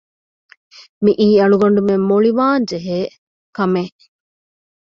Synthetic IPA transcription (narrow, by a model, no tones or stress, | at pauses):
miʔiːɐɭuɡɐɳ̆ɖumemːoɭiʋaːnd͡ʒeɦeː | kɐme